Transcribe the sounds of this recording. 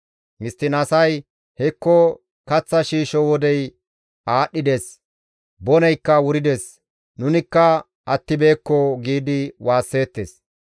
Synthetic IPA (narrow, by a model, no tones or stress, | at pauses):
mɪst̪ːɪnɐsɐj | hɛkːɔ | kɐt͡sːɐʃiːʃɔwɔd̪ɛj | aːɗːɪd̪es | bɔnɛjkːɐwʊɾɪd̪es | nʊnɪkːɐ | ɐt̪ːɪbe̞ːkːɔɡiːd̪ɪwaːsːe̞ːt̪ːes